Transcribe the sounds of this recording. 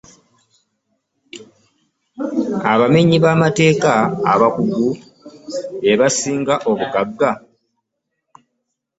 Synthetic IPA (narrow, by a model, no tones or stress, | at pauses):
aβameɲiβaːmate̞ːkaːβakuɡu | eβasiːŋɡaʔo̞βuɡaɡːa